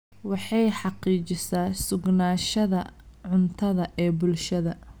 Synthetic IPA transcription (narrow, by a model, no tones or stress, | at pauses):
wɑħɑjħɑqiːt͡ʃɪsaːsʊɡnaːʃɐðɐʕʊnt̪ʰɐðɐʔɛːbʊlʃɐðɐ